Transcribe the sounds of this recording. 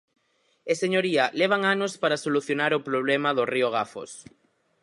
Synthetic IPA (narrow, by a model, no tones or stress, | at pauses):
eseɲoɾiɐleβ̞aŋanospaɾasoluθjonaɾʊpɾoβ̞lemɐðʊrioɣ̞afo̰s